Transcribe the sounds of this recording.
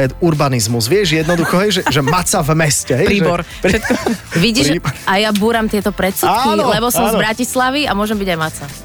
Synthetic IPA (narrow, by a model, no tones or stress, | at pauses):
ɛd̪uɾbanizmuzʋɪɛʒjɛd̪nɔd̪uxɔɦɛjʒɛʒɛmat͡savmɛscɛɦɛɾiːɔɾ | ɛt̪ʋiɟiʃajabuːɾamt̪ɪɛt̪ɔpɾɛt̪sukilɛbɔsɔmzbɾacislaʋiamʊɔʒɛmbiɟajmat̪t͡sa